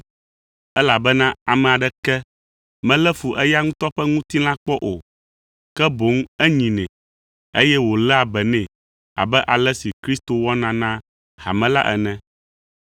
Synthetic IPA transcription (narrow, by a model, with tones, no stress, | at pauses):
ɛ˦la˨bɛ˦nã˦a˨mɛ̃˨a˨ɖɛ˦kɛ˦ | mɛ̃˦lɛ˦fu˨ʔɛ˦ja˦ŋũ˦t̪ɔ˦ɸɛ˦ŋũ˦t̪i˦lã˦k͡pɔ˦ʔo˨ | kɛ˦bo˨˦ŋɛ˦ɲĩ˨nɛ̃˨ | e˦jɛ˦wo˨lɛ˦a˨bɛ˨nɛ̃˨ | a̰˨bɛ˦ʔa˨lɛ˦si˨kɾi˦st̪o˨wɔ˦nã˨nã˦ | ha̰˨mɛ̃˦la̰˦ʔɛ̰˨nɛ̃˦